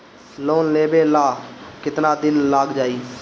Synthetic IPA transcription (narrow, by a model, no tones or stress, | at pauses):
loːnleːbeːlaːkɪt̪naːd̪ɪnlaːɡd͡ʒaːiː